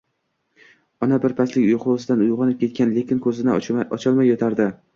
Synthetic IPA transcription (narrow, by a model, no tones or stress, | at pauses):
ɒnabɪɾpʰaslɪkʲʊjqʰʊsɪd̪anʊjʁɑnɪp̚kʲʰe̞t̪̚kʲanle̞kʲʰɪnkʰɵzɪnɪɒt͡ʃʰɒlˠmajːɒt̪ʰaɾd̪ɪ